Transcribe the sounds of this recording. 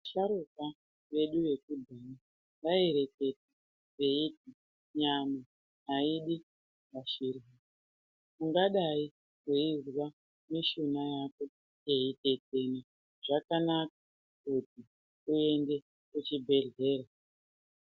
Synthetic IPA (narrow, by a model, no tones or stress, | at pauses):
ʃaɾuka | ʋe̞ɗuje̞kudʱana | ŋɡaeɾe̞ke̞t̚a | reit̚i | ɲana | aiɗi | ɡaʃirui | muŋɡaɗai | kuirwa | miʃonajako̞ | je̞ite̞tena | ʐ̥akanakḁ | kuti | kue̞nde̞ | kut͡ʃibʱe̞ɮe̞ːra